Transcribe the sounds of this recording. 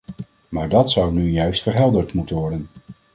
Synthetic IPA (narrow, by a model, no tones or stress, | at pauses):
maːɹdɑtsʌwnyjœɥstfəɹɦɛlˠdəɹtmutənʋɔɹdən